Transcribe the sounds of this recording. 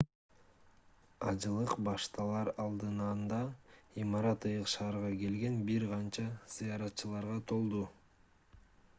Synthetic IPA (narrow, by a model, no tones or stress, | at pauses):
ɑd͡ʒɯlˠɯqbɑʃt̪ɑlˠɑɾɑlˠd̪ɯnɑnd̪ɑimɑɾɑt̪ɯjɯqʃɑːɾʁɑke̞lɡe̞nbiɾqɑnt͡ʃɑz̥ijɑɾɑt̪t͡ʃɯlˠɑɾʁɑt̪ʰo̞lˠd̪u